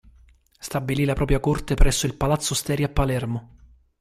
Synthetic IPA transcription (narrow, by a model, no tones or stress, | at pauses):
st̪abːililapɾɔpɾjakort̪epɾɛsːoilpalat̪sːost̪ɛːɾjapːalɛrmo